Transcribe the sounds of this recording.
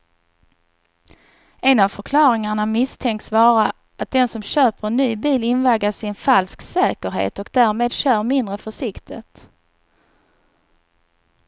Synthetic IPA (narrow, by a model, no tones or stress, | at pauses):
ɛnavfœɾkʰlɑːɾɪŋaɳamɪst̪ʰɛŋk̪svɑːɾa | ʔat̪̚d̪ɛnsɔmɕøːpəɾɛnːyːbiːlɪnvaɡasɪnfalsksɛːkəɾɦḛːt̪ɔkd̪æɾmeːd̪ɕœːɾmɪnd̪ɾəfœʂɪkt̪ʰɪt̪